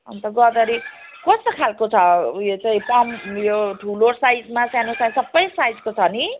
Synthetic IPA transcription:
ʌ̰nt̪ʌɡʌd̪ʌɾi | kʌst̪okʰalkot͡sʰʌjot͡saĩpʌmjoʈʰulosajd͡zmasanosajsʌbːʌjsajd͡zkot͡sʰʌni

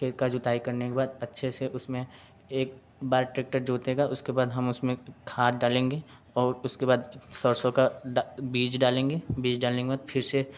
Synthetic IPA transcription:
kʰeːt̪kad͡ʒʊt̪aːikɐɾnekebaːd̪ɐtːʃʰeseʔʊsmẽ | eːk̚ | baːɾʈɾeːk̚ʈəɾd͡ʒoːt̪ɦeːɡaʔʊskebaːd̪ɦɐmʊsmẽkʰaːt̪̚ɖaːlẽːŋɡeː | ɔːɾʊskebaːd̪sɔɾsõkaɖabiːd͡ʒɖaːlẽːŋɡeːbiːd͡ʒɖaːlẽŋkebaːd̪pʰɪɾse

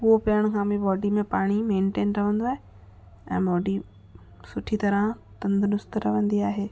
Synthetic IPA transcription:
ʊɦopɐəɽ̃kʰãːmĩbɔːɖimẽpaːɽ̃imẽːnʈeːnɾɐʋə̃nd̪oaːɦe | ɛ̰̃ːbɔːɖi | sʊʈʰit̪ɐɾə̃t̪ɐ̃nd̪nʊst̪ɾɐʋə̃nd̪iaːɦeː

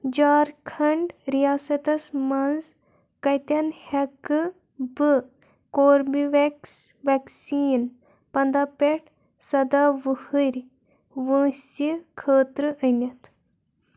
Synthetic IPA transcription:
d͡ʒaːɾkʰɐɳɖɾijaːsɐt̪ɐsmɐnz | kɐjt̪ɐnhɐkɨ | bɨ | koːɾbiʋɛksʋɛksiːn | pɐnd̪apeʈʰ | sɐd̪aʋɨhɨɾʲ | ʋə̃ːsikʰəːt̪ɾɨʔɐjnʲɐt̪

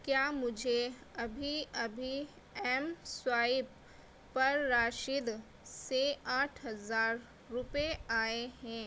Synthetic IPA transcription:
kjaːmʊd͡ʒʱeɐbʱiɐbʱi | ɛmswaːɪpː | ɐɾːaːʃɪd̪ | seaːʈʰɦɐzaːɾː | ʊpeaːeɦɛ̃ː

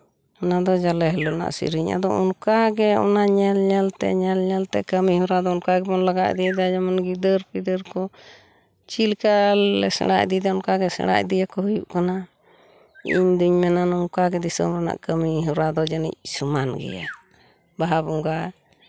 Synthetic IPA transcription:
ɔnad̪ɔd͡ʒalɛɦɛlɔna̰ʔsḭɾiɲa̰d̪ɔṵnkaɡɛɔ̰naɲɛlɲɛlt̪ɛ̰ʔɲɛlɲɛlt̪ɛ̰ʔkəmiɦuɾad̪ɔunkaɡɛbɔnlaɡaʔd̪ijd̪ad͡ʒamanɡid̪əɾpid̪əɾkɔ | t͡ʃilkalɛsɛ̰ɽa̰ʔd̪id̪ɛɔnkaɡɛsɛ̰ɽa̰ʔd̪ijakɔɦujuʔkana | ḭɲd̪uɲmɛnanuŋkaɡɛd̪isə̰mɾɛna̰ʔkəmiɦuɾad̪ɔd͡ʒənḭc̚sumanɡɛ̰ja̰ | baɦabuŋɡa

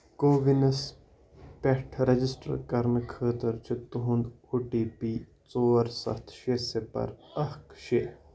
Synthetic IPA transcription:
koːʋinɐs | pɛʈʰɾɐd͡ʒɪsʈə̰ɾkɐɾmkʰːəːt̪əɾt͡ʃʰut̪uɦʊnd̪ | uːʈiːpiː | t͡soːɾsɐ̰t̪ʰʃeːsepɐ̰ɾɐhkʃe

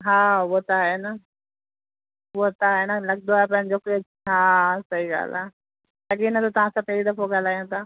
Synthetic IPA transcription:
ɦaːʋot̪aːɦena | ʋot̪aɦenɐlɐɠ̚nd̪oaːɦep̬ɐ̃ɦɪ̃ɲd͡ʑokeː | ɦãːsɐɦiɡa̰ːl̤a | jɐkiːnət̪ot̪ɐʋ̤ãsãpeːid̪ɐfoɡaːl̤aːjõt̪aː

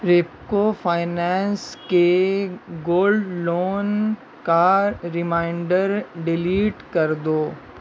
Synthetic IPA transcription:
ɾep̚kofʰaːɪnɛːnske | ɡoːlɖloːn | kaɾɪmãːɪɳɖəɾɖɪliːʈkɐɾd̪oː

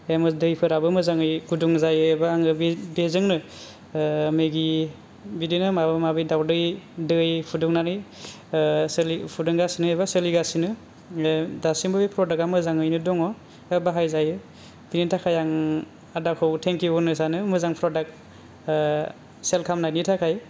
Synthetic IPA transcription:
emɯdɯjpʰɯɾabɯmɯzaŋɯjɡuduŋzajɯebaːŋɯbibezɯŋnɯ | mɯɡi | bidinɯmabɯmabɯjdawdɯjdɯjpʰuduŋnaɾɯj | slipʰudɯŋɡasinɯeβasɯliɡasinɯ | dasimbɯbipʰɾɔdakamɯzaŋɯjnɯdɔŋɔ | ebabaɦajzajɯ | b̥initʰakʰajaŋ | adakʰɯwtʰeŋkjiɔnɯsanɯmɯzaŋpʰɾɔdak̚ | selkʰamnajnitʰakʰaj

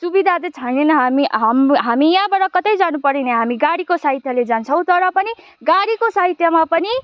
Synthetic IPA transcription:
subid̪ʱat̪et͡sʰʌjnenʌɦamiɦamɦamijãbaɽʌkʌt̪ʌjd͡zanupʌɾinʌɦamiɡaɽikosaɦit̪ʰjʌled͡zant͡sʰʌ̃w̃t̪ʌɾʌpʌni | ɡaɽikosaɦit̪ʰjʌmapʌni

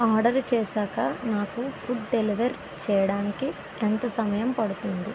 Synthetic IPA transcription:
aːɾɖɐɾt͡ʃɛːsaːkɐnaːkufuɖ̚ɖeliʋɐɾ | t͡ʃɛːjɐɽaːniki | ɛnt̪ɐsɐmɐjɐmpɐɽut̪und̪i

